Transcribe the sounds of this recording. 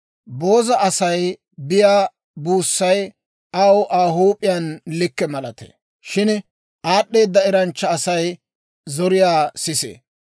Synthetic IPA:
bo̞ːzɐʔɐsɐj | bɪjaː | buːsːɐj | ɐwʔaːɦuːpʼːɪjaːnlɪkːɛmɐlɐt̪ḛ | ʃɪn | ʔaːɗːe̞ːd̪ːɐɪɾɐnt͡ʃːɐːsɐj | zɔɾɪjaːsɪsḛː

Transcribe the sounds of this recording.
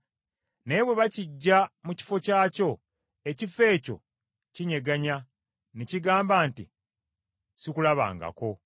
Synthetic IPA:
ne̞βwe̞βaciɟːamuci̥fo̞caːco̞ | ecife̞ːco̞̰ | ciɲe̞ɡaɲa | neciɡaːmbaːntḭ | sikulaβa̰ːŋɡa̰ko̞

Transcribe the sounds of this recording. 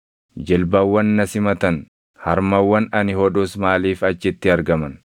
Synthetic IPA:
d͡ʒɛlbɐwːɐnːɐsɪmɐt̪ɐn | hɐɾmɐwːɐnɐnɪhɔᶑʊsmaːliːfɐt͡ʃːɪt̪ːɪɐɾɡɐmɐn

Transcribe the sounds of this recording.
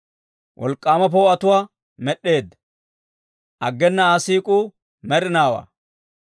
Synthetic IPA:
wʔɔ̰lkʼːaːmɐp̬ɔwɐt̪ʊwaː | mɛɗːe̞ːd̪ | ʔɐɡːɛnːɐaːsiːkʼuː | mɛɾɪnaːwa̰ː

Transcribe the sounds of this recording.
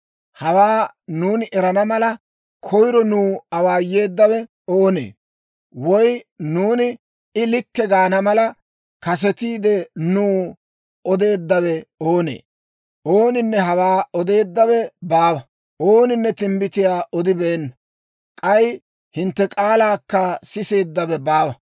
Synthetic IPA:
hɐwaːnuːnɪʔɛɾɐnɐmɐlɐ | kʰɔjɾɔnuːɐwaːje̞ːd̪ːɐwɛ | oːnḛː | wɔjnuːnɪ | ɪlɪkːɛɡaːnɐmɐlɐ | kɐs̬ɛt̪iːd̪ɛnuː | ɔd̪e̞ːd̪ːɐwɛoːnḛː | oːnɪnːɛɦɐwaːɔd̪e̞ːd̪ːɐwɛbaːwɐ | oːnɪnːɛt̪ɪmbɪt̪ɪjaːʔɔd̪ɪbeːnːɐ | kʼɐj | hɪnt̪ːɛkʼaːlaːkːɐsɪse̞ːd̪ːɐβɛbaːwɐ

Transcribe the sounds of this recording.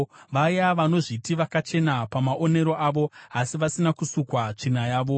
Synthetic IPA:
ʋajaʋano̞ʐitiʋakat͡ʃe̞napamaʔo̞ne̞ɾo̞ʔaʋo̞asiʋasinakusukwat͡ʂinajaːʋo̞

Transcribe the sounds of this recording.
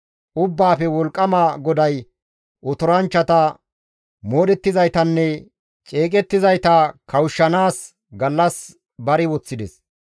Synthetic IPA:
ʔʊbːaːpɛwɔlkʼːɐmɐɡɔd̪ɐj | ʔɔt̪ʊɾɐnt͡ʃːɐt̪ɐ | moːd̪ɛt̪ːɪzɐjt̪ɐnːɛ | t͡ʃʼe̞ːk̬ʼɛt̪ːɪzɐjt̪ɐkʰɐwʊʃːɐnaːs | ɡɐlːɐs | bɐɾɪwɔt͡sːɪd̪ɛs

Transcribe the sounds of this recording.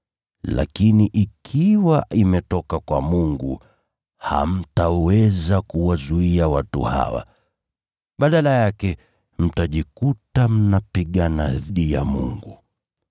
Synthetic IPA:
la̰kiniʔikʰiwaʔimɛtɔkakwa̰muŋɡṵ | ha̰m̩tawɛzakuwazuiawatṵha̰wa̰ | ɓaɗalajakɛ | m̩taʄikutam̩napiɠanaðiɗija̰mṵŋɡu

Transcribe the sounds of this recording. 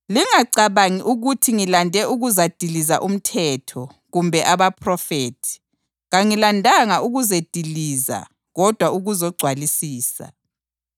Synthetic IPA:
liŋaǀaβaŋiʔuɣutʰiŋilandʱɛʔuɣuzad̥ʱiliza̰ʔum̩tʰɛtʰɔ | ɣumbʱɛʔaβapʰrɔfeːtʰi̥ | ɣaŋilandʱaŋaʔuɣuzed̥ʱiliːza̰ | ɣɔd̥ʱwauɣuzɔɡ͡ǀʱwalisiːsa̰

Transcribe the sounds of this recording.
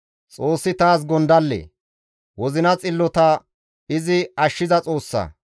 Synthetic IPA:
t͡sʼo̞ːsːɪt̪aːs̬ɡɔnd̪ɐlːḛː | wɔzɪnɐt͡sʼɪlːɔt̪ɐ | ɪzɪɐʃːɪzɐt͡sʼo̞ːsːɐ̰

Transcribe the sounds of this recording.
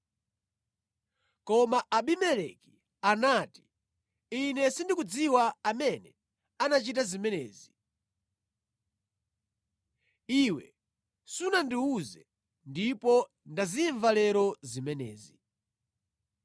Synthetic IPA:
kɔmaʔaɓimɛlɛki | anaːti̥ | inɛsindikud͡ziwaamɛnɛ | anat͡ʃit̬azimɛnɛ̰ːzi | iwɛ̰ | sunandiuzɛ | ndipɔ | ndaziɱvalɛɾɔzimɛnɛ̰ːzi

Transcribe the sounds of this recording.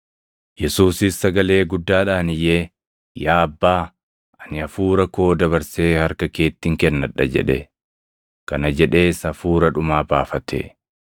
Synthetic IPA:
jɛsuːsɪsːɐɡɐle̞ːɡʊd̪ːaːᶑaːnɪjeː | jaːɐbːaː | ʔɐnɪɐfuːɾɐkoːd̪ɐβɐɾse̞ːhɐɾkɐke̞ːt̪ːɪŋkɛnːɐᶑɐ̰d͡ʒɛ̰ᶑɛ | kɐnɐd͡ʒɛᶑe̞ːsɐfuːɾɐᶑʊmaːbaːfɐt̪ḛː

